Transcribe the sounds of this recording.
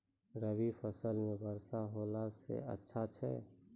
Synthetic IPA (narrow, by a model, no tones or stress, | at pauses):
ɾəʋifəsəlmẽbəɾsaɦoːlasḛə̰tːʃʰat͡ʃʰɛ̰ː